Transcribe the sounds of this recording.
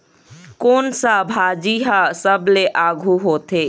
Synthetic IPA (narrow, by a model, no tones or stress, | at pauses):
koːnsabʱaːd͡ʒiɦasəbleʔaːɡʱuɦoːt̪ʰe